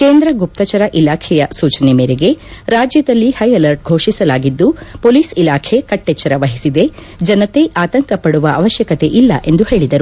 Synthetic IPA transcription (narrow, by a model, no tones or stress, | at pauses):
keːnd̪ɾɐɡup̚t̪ɐt͡ʃɐɾɐʔilaːkʰɛjɐsuːt͡ʃɐnemeːɾeɡe̞ɾaːd͡ʒjɐd̪ɐlːihɐjɐlɐɾʈ̚ɡʱoːʂisɐlaːɡid̪ːupoːliːsilaːkʰe̞kɐʈːet͡ʃːɐɾɐʋɐɦisid̪e̞ | d͡ʒɐnɐt̪e̞ʔaːt̪ɐŋkɐpɐɽuʋɐɐʋɐʃjɐkɐt̪e̞ʔilːɐ̰ʔe̞nd̪uhe̞ːɭid̪ɐɾu